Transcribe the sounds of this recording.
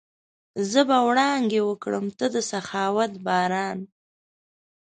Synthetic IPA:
zəbawɽɑŋɡewəkɽəmt̪əd̪əsaxɑwat̪bɑːɾɑːn

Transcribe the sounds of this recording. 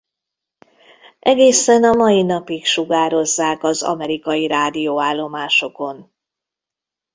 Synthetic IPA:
ʔɛɡeːsɛnɒmɒjinɒpikʃuɡaːɾo̞zːaːkɒzɒ̰mɛɾikɒjiɾaːd̪ijoːaːlːo̞maːʃo̞ko̞n

